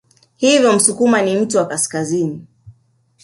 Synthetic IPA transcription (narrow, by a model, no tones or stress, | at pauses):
hivjɔm̩sukumanim̩tuwakaskazini